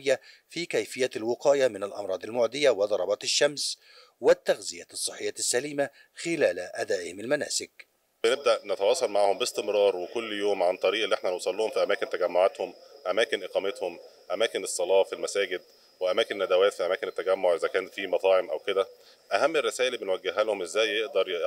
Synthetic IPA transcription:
jːæfiːkæjfɪjːælwɪqɑːjamɪnælʔɑ̰mɾˤɑːd̪ˤɪlmoʕd̪ɪjːawɪd̪ˤɑɾˤɑbɑt̪ɪʃːæms | wɪt̪ːæɣzɪjæt̪sˤːɨħːejːæːt̪ɪsːæliːma | xɪlæːlʔæd̪æːʔɪhɪmɪlmænæ̰ːsɪk̚ | bɪneb̚d̪æʔnɪt̪æwɑːsˤɑlmaʕahombɪst̪ɪmɾˤɑːɾˤwekʊlːjoːmʕant̪ˤɑɾiːʔlːiʔeħnænowsˤɑlːuːhomfiʔæmæːkɪnt̪æɡæmːoʕat̪hʊmʔæmæːkenʔeqɑːmet̪hom | ʔæmæːkenesˤːɑlɑːfilmæsæːɡɪd̪̚ | weʔæmæːkɪnnːæd̪æwæːt̪fiʔæmæːkenet̪ːæɡæmːoʕʔezækæːnfiːmɑt̪ˤɑːʕemʔæwked̪æ | ʔæhæmːɪrːesæːʔɪlbenwæɡːeɦːælhomʔezːæːjːeʔd̪ɑɾˤ

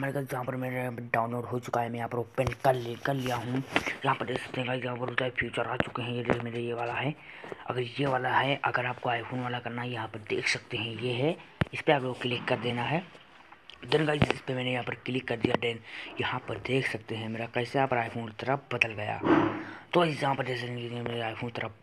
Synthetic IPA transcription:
maːɾeɡaːt̪d͡ʒɐɦãpɐɾmeːɾaɖaːʊ̃nloːɖɦot͡ʃʊkaɦɛmɛ̃aːpɾopɛ̃ɳkɐɾlkɐɾlijaɦũjɐɦãpɐɾd̪eːksɐ̥k̚t̪eɦɛ̃kajɐɦãpɐɾʊt̪apʰjuːt͡ʃəɾaːt͡ʃʊkeɦɛ̃jed̪eːkmeːɾejeʋaːlaɦɛɐ̰ɡəɾjeʋaːlaɦɛʔɐɡəɾaːp̚koaːɪpʰoːnʋaːlakɐɾnajɐɦãpəɾd̪ḛːkʰsɐk̚t̪eɦɛ̃jeɦɛɪspeaːplookɪlɪkːɐɾd̪eːnaɦɛ | d̪ɪnɡaːsɪspemɛːnejɐɦãːpəɾkɪlɪkːɐɾd̪ijaɖɛːnjɐhãpəɾd̪eːkʰsɐk̚t̪eɦɛ̃meːɾakɛɪseaːpɾaːjpʰoːnt̪ɐɾəfbɐd̪əlɡɐja̰ːt̪ojɐɦãpəɾd̪eːsanked̪ẽmeːɾeaːjpʰoːnt̪əɾəp

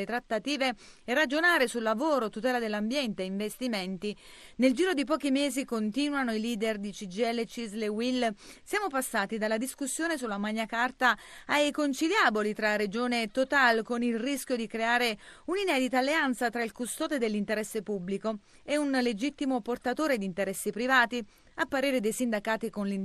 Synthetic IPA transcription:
et̪ɾat̪ːat̪iːveː | rːad͡ʒonaːɾesulːavoːɾot̪ut̪ɛːlad̪elːambjɛnt̪eiɱvest̪iment̪i | neld͡ʒiːɾod̪ip̬ɔːk̟imeːzikont̪iːnwanoiliːd̪erd̪it͡ʃid͡ʒiɛlːet͡ʃizlewilsjaːmopasːaːt̪id̪alːad̪iskusːjoːnesulːamaɲːakart̪a | ajkont͡ʃiljaːbolit̪ɾaɾed͡ʒoːnet̪ot̪alkonilrisk̟jod̪ikɾeaːɾeuninɛːd̪it̪aːlːeant̪sat̪ɾailkust̪ɔːd̪ed̪elːint̪eɾɛsːepubːliko | eunled͡ʒit̪ːimoport̪at̪oːɾed̪iːnt̪eɾɛsːipɾivaːt̪i | apːaɾeːɾed̪ejsind̪akaːt̪ikonlin

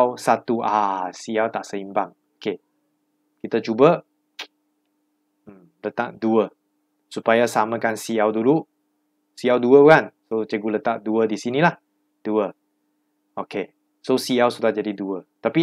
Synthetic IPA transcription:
wsat̪uʔasiawt̪aʔsəimbaŋ | oke | kit̪at͡ʃubə | lət̪a̰ʔ̚duə | supajasamə̃kansiawdulu | siawduəkansot͡ʃəɡulət̪aʔ̚duədisinilah | d̥uə | oke | sosiawsudahd͡ʒadiduət̪api

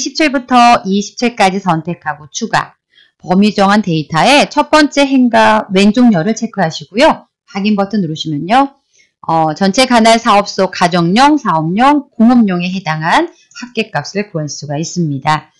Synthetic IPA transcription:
iɕʰip̚t͡ɕʰiɭbutʰʌiɕʰi̥p̚t͡ɕʰiɭk͈ad͡ʑisʰʌntʰe̞kʰaɡot͡ɕʰuɡa̰ | pʌmid͡ʑʌŋɦante̞itʰae̞t͡ɕʰʌp͈ʌnt͡ɕ͈e̞ɦe̞ŋɡawe̞nd͡ʑoŋɲʌɾɯɭt͡ɕʰe̞kʰɯɦaɕʰiɡojo | paɡimbʌtʰɯnuɾɯɕʰimjʌɲo | ʌt͡ɕʌnt͡ɕʰe̞kanaɭsʰaʌp̚s͈okad͡ʑʌŋɲʌŋsʰaʌmɲʌŋkoŋʌmɲʌŋe̞ɦe̞daŋɦan | hak̚k͈e̞k͈ap̚s͈ɯɭkoans͈uɡais͈ɯmɲida

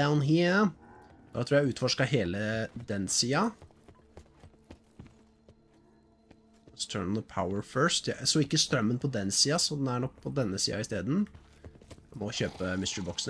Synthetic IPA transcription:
aʊnɦi | d̪ɑ̰t̪ɾuːjæʉːt̪fɔʂkɑɦeːləd̪ɛnsiːɑ | st̪ʰœnənðəpʰaʊəɹfœɹst̪jæsɔɪkːəst̪ɾœmːənpʰɔd̪ɛnsiːɑsɔd̪ɛnæɳɔk̚ːpʰɔd̪ɛnːəsḭːɑ̰ɪst̪eːd̪n̩ | mɔçøːpəmɪst̪əɹbɔksn̩

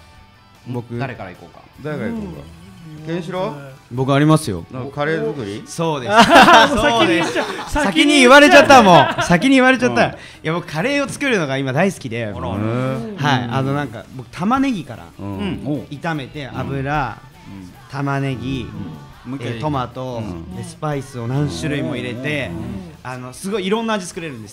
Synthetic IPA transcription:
bokɯd̪aɾekaɾaikoːkḁ̰ | d̪aeɡaikoka̰kẽɕiɾobo̞kɯaɾʲimasɨjo̞̰kaɾeːkɯɾʲiso̞ːd̪e̞s | d̪esssakʲiɲ̟iiβaɾe̞t͡ɕat̪ːamõ̞sakʲiɲ̟iiβaɾe̞t͡ɕat̪ːa | jabo̞kɯ̟̥kʰaɾe̞ːo̞t͡sɨ̥kɯ̟ɾɯ̟no̞ɡaimad̪aisɨ̥kʲid̪e̞ | haia̰no̞nãŋka̰bo̞kɯ̟t̪ʰamane̞ɡʲikaɾa̰ | it̪ame̞t̪e̞ʔa̰bɯ̟ɾa | t̪amane̞ɡʲi | et̪o̞mat̪o̞esɨ̥paisɨo̞nãɰ̃ɕɨɾɯ̟imo̞iɾe̞t̪e̞ano̞sɨɡo̞iːɾõ̞nːaːd͡ʑi̥t͡sɨ̥kɯ̟ɾe̞ɾɯ̟̃nd̪eɨ

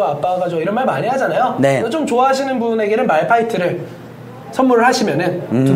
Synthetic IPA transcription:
oap͈aɡad͡ʑoiɾʌnmaɭmaɲiɦad͡ʑanajoneʌt͡ɕomt͡ɕoaɦaɕ̬ʰinɯnbune̞ɡe̞nɯnmaɭpʰaitʰɯɾɯɭ | sʰʌnmuɾɯɭhaɕʰimjʌnɯntu

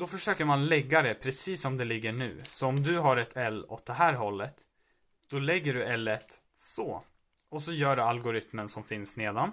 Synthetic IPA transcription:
d̪ɔfœʂøːkəɾmanlɛɡːad̪ɛpʰɾɛsiːsːɔmd̪ɛlɪɡːəɳʉ̟ːsɔɔmd̪ɵɦaɾɛt̪ʰɛlːɔ̰t̪̚d̪ɛɦæːɾɦɔlːət̪ | d̪̥ɔlɛɡːəɖɵɛlːɛt̪ | sɔ | ɔsɔjœːɖɵalɡʊɾɪt̪mənsɔmfɪnsneːd̪ɔn

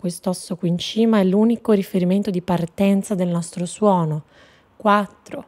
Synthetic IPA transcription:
kwest̪oɔsːokwiːnt͡ʃiːmaɛlːuːnikoɾifeɾiment̪od̪ipart̪ɛnt̪sad̪elnɔst̪ɾoswɔːno | kwat̪ːɾo

